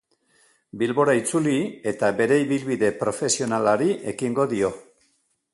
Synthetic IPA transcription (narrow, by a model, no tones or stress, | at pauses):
bilβo̞ɾait͡sulie̞t̪aβe̞ɾe̞iβilβiðe̞pɾo̞fe̞sio̞nalaɾiʔe̞kiŋɡo̞ðio̞